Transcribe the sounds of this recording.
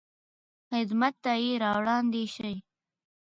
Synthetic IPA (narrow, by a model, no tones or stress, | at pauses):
xɪd̪mat̪ːajiɾɑwɽɑːnd̪iʃaj